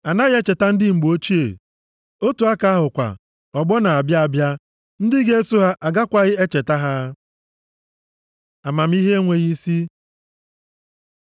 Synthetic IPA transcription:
a˨na˦ɣɪ˦e˦t͡ʃe˨ta˦n̩˦dɪ˦ŋ͡m̩˨ɡ͡bo˦t͡ʃi˦ḛ˨ | o˦tu˨a˦ka˨a˦ɦʊ˨kʷa̰˨ | ɔ˨ɡ͡bɔ˦na˨a˨bja˦a˨bja˦ | n̩˦dɪ˦ɡe˦e˦su˦ɦa˦ʔa˨ɡa˦kʷa˨ɣɪ˦e˦t͡ʃe˨ta˦ɦa˦ | a˨ma˨m̩˦i˦ɦe˦ŋʷe˨ɣi˦si˦

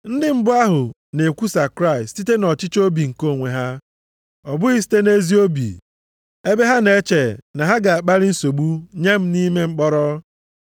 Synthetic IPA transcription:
n̩˦dɪ˦m̩˦bʊ˦a˦ɦʊ˨ | ne˨kʷu˦sa˨kɾa˦˨ɪ˨stti˦te˦nɔ˨t͡ʃɪ˦t͡ʃo˦bi˨ŋ̩˨ko˦˨ŋʷe˨ɦa˦ | ɔ˨bʊ˦i˦s̬i̥˦te˦ne˦zi˦o˦bḭ˨ | e˦be˦ɦa˦ne˦t͡ʃe˨na˨ɦa˦ɡa˨a˨k͡pa˦ɾɪ˦n̩˦so˨ɡ͡bu˦ɲe˦m̩˦ni˦me˦ŋ͡m̩˦k͡pɔ˦ɾɔ˦

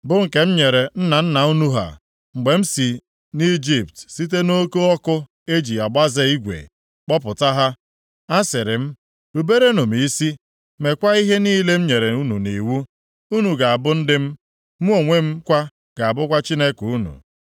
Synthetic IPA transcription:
bʊ˦ŋ̩˨ke˨m̩˦ɲe˨ɾe˨n̩˦na˨n̩˦na˨u˦nu˦ɦa̰˨ | ŋ͡m̩˨ɡ͡be˨m̩˦si˨ | ni˦d͡ʒi˦˨p̚tsi˦t̬e˦no˦ko˦ɔ˦kʊ˦ | e˦d͡ʒi˨a˨ɡ͡ba˦ze˦i˦ɡʷḛ˨ | k͡pɔ˦pʊ˨ta˦ɦa˦ | a˦sɪ˨ɾɪ˨m̩˦ | ɾu˨be˦ɾe˦no˨m˨i˦si˦ | me˨kʷa˦i˦ɦe˦niː˦le˦m̩˦ɲe˨ɾe˨u˦nu˨ni˨wu˦ | u˦nu˨ɡa˨a˨bʊ˦n̩˦dɪ˦m̩˦ | mu˦o˨ŋʷe˦m̩˦kʷa˦ | ɡ̥a˨a˨bʊ˦kʷa˦t͡ʃi˦ne˦ku˦nṵ˨

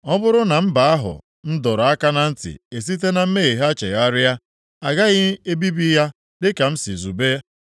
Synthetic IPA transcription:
ɔ˦bʊ˦ɾʊ˦na˨m̩˦ba˨a˦ɦʊ̰˨ | n̩˦dɔ˨ɾa˦ka˦na˦n̩˦tɪ̰˨e˨s̬i˦t̬e˦na˨m̩˦me˦e˨ɦa˦t͡ʃḛ˨ɣa˦ɾɪ˦a˦ | a˨ɡa˦ɣɪ˦e˦bi˦bi˦ja˦ | dɪ˦ka˨m̩˦si˨zu˨be˦

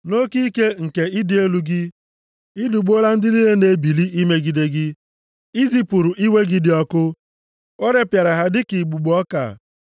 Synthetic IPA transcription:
no˦ki˦ke˦ŋ̩˨ke˨ɪ˦dɪ˦e˦lu˦ɡɪ˦ | i˦du˨ɡ͡bo˦la˦n̩˦dɪ˦li˦le˦ne˨bi˨li˦ʔi˦me˦ɡi˨de˦ɡɪ˦ | i˦zi˦pu˨ɾu˨ʔi˦we˦ɡɪ˦dɪ˦ɔ˦kʊ˦ | o˦ɾe˦pja˨ɾa˨ɦa˦dɪ˦ki˨ɡ͡bu˨ɡ͡bɔ˦ka̰˨

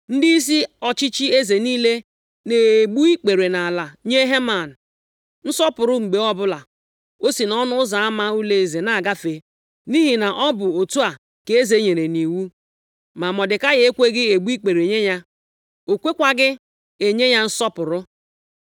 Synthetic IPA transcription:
n̩˦di˦i˦s̬i˦ɔ˨t͡ʃi˦t͡ʃi˦e˦ze˨niː˦le˦ | ne˨e˨ɡ͡bu˦i˦k͡pe˨ɾe˨na˨la˨ɲe˦ɦe˦ma˨n̩˨ | n̩˦sɔ˦pʊ˨ɾʊ˦ŋ͡m̩˨ɡ͡be˨ɔ˦bʊ˦la˨ | o˦si˨nɔ˦nʊ˦ʊ˦za˨a˦ma˦u˦le˦˨ze˨na˨a˨ɡa˦fe˨ | ni˦ɦi˨na˨ʔɔ˦bʊ˨o˨tu˦a˨ | ke˨e˦ze˨˦ɲe˨ɾe˨ni˨wu˦ | ma˨mɔ˨dɪ˨ka˦ɣe˨˦e˦kʷe˦ɡɪ˦e˨ɡ͡bu˦i˦k͡pe˨ɾe˨ɲe˦ɲa˦ | o˨kʷe˦kʷa˨ɡɪ˦ | e˨ɲe˦ɲa˦n̩˦sɔ˦pʊ˨ɾʊ˦

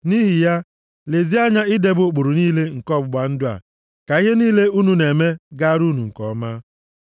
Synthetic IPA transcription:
ni˦ɦi˨ja˦ | le˨zi˦a˦ɲa˦ɪ˦de˨bʊ˨˦k͡pʊ˨ɾʊ˨niː˦le˦ŋ̩˨kɔ˦bʊ˨ɡ͡ba˨n̩˦dʊ˦a̰˨ | ka˨i˦ɦe˦niː˦le˦u˦nu˨ne˨me˦ɡa˦ɾu˦nu˨ŋ̩˨kɔ˨ma˦

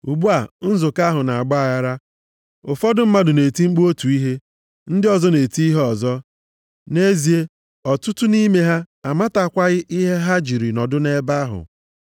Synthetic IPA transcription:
u˨ɡ͡bu˦a˨n̩˦zʊ˨ka˦ɦʊ˨na˨a˨ɡ͡ba˦a˨ɣa˦ɾa˦ | ʊ˨fɔ˦dʊ˦m̩˦ma˦dʊ˨ne˨ti˦ŋ͡m̩˦k͡pu˦o˦tu˨i˦ɦe˦ | n̩˦dɪ˦ɔ˨zɔ˦ne˨ti˦i˦ɦe˦ɔ˨zɔ˦ | ne˦zi˨e˦ | ɔ˨tʊ˦tʊ˦ni˦me˦ɦa˦ | a˨ma˦ta˨kʷa˦ɣɪ˦ʔi˦ɦe˦ɦa˦d͡ʒi˨ɾi˨nɔ˨dʊ˦ne˦ba˦ɦʊ̰˨

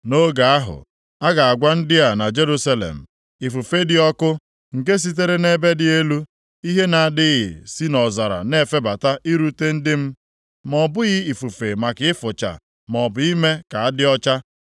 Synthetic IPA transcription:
no˦ɡa˨a˦ɦʊ̰˨ | a˦ɡa˨a˨ɡʷa˦n̩˦dɪ˦a˨na˨d͡ʒe˦ɾu˦sa˦lḛ˨m̩˨ | i˨fu˨fe˦dɪ˦ɔ˦kʊ˦ | ŋ̩˨k̬e˦s̬i˦t̬e˦ɾe˦ne˦be˦dɪ˨e˦lu˦ | i˦ɦe˦na˨a˨dɪ˦ɣɪ̰˨si˦nɔ˨za˨ɾa̰˨ne˦˨fe˦ba˨ta˦ʔi˦ɾu˦te˦n̩˦dɪ˦m̩˦ | mɔ˨bʊ˦ɣɪ˦i˨fu˨fe˨ma˨kɪ˨˦ɪ˦fʊ˨t͡ʃa̰˨ | mɔ˨bʊ˨i˦me˦ka˨a˦dɪ˦ɔ˦t͡ʃa˦

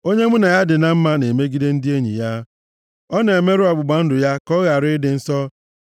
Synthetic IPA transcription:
o˦ɲe˦mʊ˦na˨ja˦dɪ˨na˦m̩˦ma˦ne˨me˦ɡi˦de˦n̩˦dɪ˦e˦ɲḭ˨ja˦ | ɔ˦ne˨me˦ɾʊ˦a˨ɡ͡bʊ˨ɡ͡ba˨n̩˦dʊ˨ja˦kɔ˦ɣa˨ɾɪ˦dɪ˨n̩˦sɔ˦

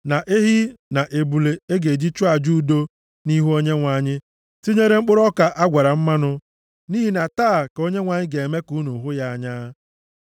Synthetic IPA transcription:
na˨ʔe˦ɦi˦na˨ʔe˨bu˨le˨e˦ɡe˨d͡ʒi˦t͡ʃʊ˦a˨d͡ʒu˦do˦ | ni˦ɦu˦o˦ɲe˦ŋʷa˨ɲɪ˦ | ti˦ɲe˦ɾe˦ŋ͡m̩˦k͡pʊ˦ɾɔ˦ka˨ʔa˦ɡʷa˨ɾa˨m̩˦ma˦nʊ˦ | niː˦ɦi˦na˨taː˦˨ko˦ɲe˦ŋʷa˨ɲɪ˦ɡe˨e˨me˦ku˨˦nu˨ɦʊ˦ja˦a˨ɲa˦

